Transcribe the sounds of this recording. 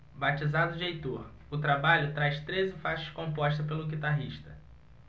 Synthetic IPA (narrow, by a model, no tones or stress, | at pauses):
bat͡ʃizad̪ʊd͡ʒejt̪oɾ | ʊt̪ɾabaʎʊt̪ɾajʃst̪ɾezɪfaʃɐ̥kõmpɔʃt̪ɐpelʊɡit̪aɦiʃt̪ɐ